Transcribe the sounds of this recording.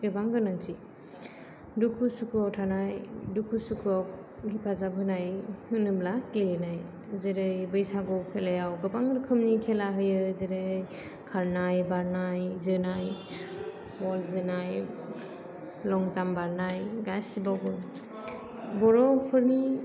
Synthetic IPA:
ɡɯbaŋɡɯnaŋtʰi | dukʰusukʰuawtʰanajdukʰusukʰuawk̚ | hipʰazabɯnajhɯnɯblaklɯnaj | zeɾɯjbɯjsaɡɔpʰelajawɡɯbaŋɾɯkʰɯmnikʰelaɦɯjɯzeɾɯj | kʰaɾnajbaɾnajzɯnaj | bɔlzɯnaj | lɔŋzambaɾnajɡasibawɡɯ | bɔɾɔpʰɯɾni

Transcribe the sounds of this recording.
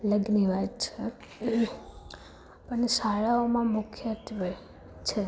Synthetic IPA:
ləɡniʋat̪t͡ʃʰe | pəɳsaɭaomãmʊkʰjət̪ʋ | t͡ʃʰe

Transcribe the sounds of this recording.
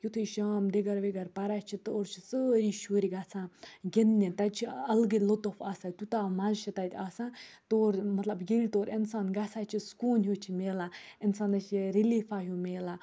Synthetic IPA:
jut̪ʰuʃaːmd̪eɡɐɾʋeɡɐɾpɐɾat͡ʃʰit̪oːɾt͡ʃʰi̥səɾiːʃuːɾiɡat͡sʰãːɡinːit̪ɐt͡ʃʰiɐlɡilot̪ofaːsat̪ut̪aːmazʃʰit̪ɐt̪ʰʲaːsãːt̪oːɾmɐt̪lɐbjilʲt̪oːɾɪnsaːnɡat͡sʰaːt͡ʃʰiskuːnɦjut͡ʃʰimeːlaɪnsaːnɐt͡ʃiɾiliːfaːɦjumeːla

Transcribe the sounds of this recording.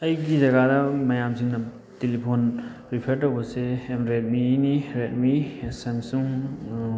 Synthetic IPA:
ɐjɡizɐɡadamɐjamsiŋnɐ | telipʰon | ɾipʰeɾtowbɐsejamɾet̚miniɾet̚misemsuŋ

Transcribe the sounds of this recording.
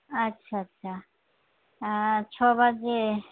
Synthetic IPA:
ətːʃʰaətːʃʰa | t͡ʃʰɔbaɡe

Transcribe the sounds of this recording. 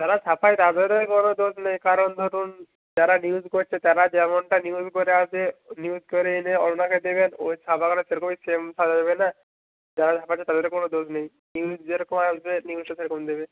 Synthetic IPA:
d͡ʒaɾat͡ʃʰapʰajt̪ad̪eɾekonod̪osnejkaɾond̪ʱoɾun | d͡ʑaɾaniuzkoɾt͡ʃʰet̪aɾad͡ʒɛmoɳʈaniuzkoɾeat͡ʃʰeniuzkɔɾeneɔlonakʰed̪eβeno̰t͡ʃʰapakɔʈaseɾkʰobisemsʰadabena | d͡ʑaɾat͡ʃʰapat͡ʃʰet̪ad̪eɾkonod̪osnej | niud͡ʒeɾɔkomaʃbeniuzʈaseɾɔkomd̪ebe

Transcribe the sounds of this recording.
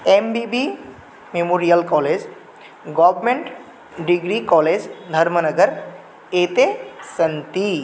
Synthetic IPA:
embibi | memoːɾijəlkɔːled͡ʑ | ɡɔʋmeɳʈ | ɖiɡɾikɔːled͡ʑd̪ʱəɾmənəɡəɾ | eːt̪esənt̪i

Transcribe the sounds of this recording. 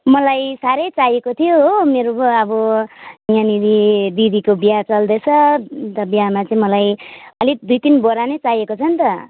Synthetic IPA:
mʌlajsaɾʌjt͡sajekot̪ʰijoɦomeɾoʌbʌ | janid̪id̪id̪ikobiat͡sʌld̪et͡sʰʌt̪ʌbiamat͡sʌĩmʌlajʌlid̪ujt̪inboɾanet͡sajekot͡sʰʌnt̪ʌ

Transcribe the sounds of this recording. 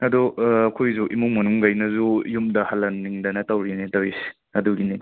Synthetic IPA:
ɐdɔɐkʰojzuʔḭmuŋmɐnuŋɡajnɐzuijumdɐhɐlːɐnːiŋdɐnɐtawɾinetawis | ɐduɡini

